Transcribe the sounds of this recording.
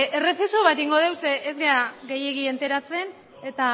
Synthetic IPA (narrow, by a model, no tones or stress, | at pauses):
ere̞fesoβat̪iŋɡo̞ð̞e̞wseʔezɣeaɣe̞je̞ɣie̞nt̪e̞ɾat͡se̞n | e̞t̪a